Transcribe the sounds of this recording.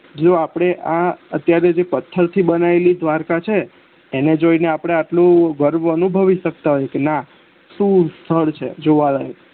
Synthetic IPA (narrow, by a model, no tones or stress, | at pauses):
d͡ʒoapɽ̃eʔaət̪jaɾed͡ʒepət̪ʰːəɾt̪ʰibənaelid̪ʋaɾkat͡ʃʰeː | ned͡ʒoineapɽ̃eaʈlũɡəɾʋənubʱəʋiʃək̚t̪aɦojekena | ʃũst̪ʰəɭt͡ʃʰḛd͡ʒoʋaləɦe